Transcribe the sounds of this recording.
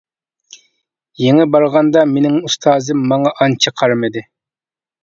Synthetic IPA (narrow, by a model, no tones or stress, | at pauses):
jeŋɪbɑɾʁɑnd̪ɑmenɪŋust̪ʰɑːzɨmːɑŋɑʔɑnt͡ʃʰɑqʰɑɾmɪd̪ɪ